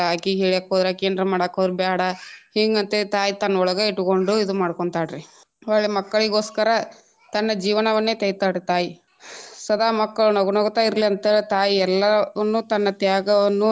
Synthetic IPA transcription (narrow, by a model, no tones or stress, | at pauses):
aːkiɦeːɭiaːkːoːd̪ɾaːkeːnd̪ɾɐmaːɽaːkod̪ɾubjaːɽɐhiŋɡɐnt̪et̪aːjit̪ɐnːɐɔɭɐɡɐiʈːukoɳɖuid̪umaːɽkoɳt̪aːɽɾi | ɔɭɭemɐkːɐɭiɡo̞ːskɐɾɐ | t̪ɐnːɐd͡ʒiːʋɐnɐʋɐnːe̞ːt̪ɐjt̪aːɽit̪aːji | sɐd̪aːmɐkːɐɭunoɡunoɡt̪aːiɾliɐnt̪et̪aːjiɛlːɐnːut̪ɐnːɐt̪jaːɡɐʋɐnːu